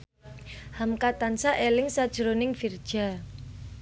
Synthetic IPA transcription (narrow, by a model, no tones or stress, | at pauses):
hamkat̪ansaʔelɪŋsad̥ʒ̥ə̤ɾonɪŋfird̥ʒ̥a̤